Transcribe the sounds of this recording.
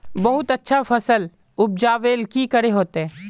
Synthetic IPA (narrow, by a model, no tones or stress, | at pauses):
bɐɦʊt̪ɐtːʃʰafɐsəl | ʊb̚d͡ʒaːʋeːlkikəɽeɦoːt̪ɦɛ̃ː